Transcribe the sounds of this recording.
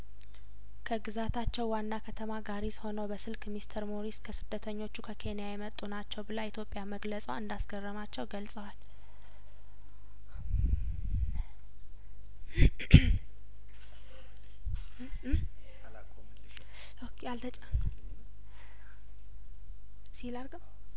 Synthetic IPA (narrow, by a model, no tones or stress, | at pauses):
kʰəɡɨzat̪ʰat͡ʃːɛwːanːakʰət̪ʰəmaɡaɾisho̞nəwbəsɨlkmist̪ʰəɾmoɾiskʰəsɨd̪ːət̪ʰəɲːo̞t͡ʃːukʰəkʰe̞njajɛmət̪ʼunat͡ʃːɛwbɨlait̪ʰjo̞pʼːjaməɡləsʼəwɨnd̪asɡərːəmat͡ʃːɛwɡəlsʼəwal | okʰealt̪ʰət͡ʃʼə | silaɾɡəw